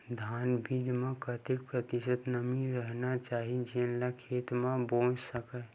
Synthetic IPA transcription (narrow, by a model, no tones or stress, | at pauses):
d̪ʱaːnbʱiːd͡ʒmẽkət̪ɪk̚pɾət̪ɪsəd̪nəmiɾəɦnat͡ʃaːɦid͡ʒinlakʰeːt̪mãbõːt͡ʃsəkɛ